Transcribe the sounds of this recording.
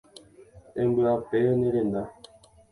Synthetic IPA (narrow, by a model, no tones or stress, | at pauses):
embəapɛneɾena